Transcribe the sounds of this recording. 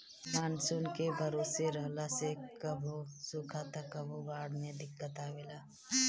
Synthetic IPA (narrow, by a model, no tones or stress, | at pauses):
maːnsʊnkebʱɐɾoːseɾəɦlasekəbʱosʊkʰat̪akəbʱubaːɽmeəd̪ɪkːət̪aʋɪlaː